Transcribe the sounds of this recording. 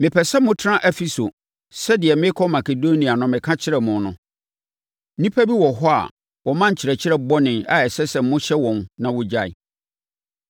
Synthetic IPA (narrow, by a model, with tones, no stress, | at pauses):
mɪ̃˨pʰɛ˨sɛ˦mʊ̃˦tʰɪ˦ɾã˦ʔɛ˦fi˦so˨ | sɛ˦dɪ˨ɛ˨mɪ̃˦kʰɔ˦ma˨kʰe˨do˦nĩ˨a˨nʊ̃˨mɪ̃˨kʰã˦t͡ɕʰɪ˦ɾɛ˨mʊ̃˨nʊ̰̃˨˦ | nĩ˦pʰæ˦bi˦wɔ˨ɦɔ˦a̰˨ | wɔ˨mã˦ɲ̩˨t͡ɕʰɪ˨ɾɛ˨t͡ɕʰɪ˦ɾɛ˦bɔ˦nɪ̃˨na˨ɛ˨sɛ˦sɛ˨m̩˦ʊ̃˦ɕɛ˦wɔ̃˨nnã˨wʊ˦d͡ʑa˨ḭ˨